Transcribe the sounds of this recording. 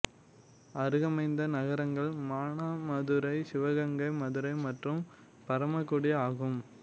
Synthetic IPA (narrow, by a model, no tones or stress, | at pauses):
ɐɾɯɣɐmɐɪnd̪ɐnɐɣɐɾɐŋɡɐɭmaːɳaːmɐðɯɾɐɪsɪʋɐɣɐŋɡɐɪmɐðɯɾɐɪmɐʈrɯm | pɐɾɐmɐkːɯɽɪaːɣɯm